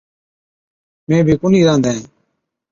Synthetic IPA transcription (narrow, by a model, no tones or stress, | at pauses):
mẽːbʱiːkʊniːɾãːnd̪aːẽː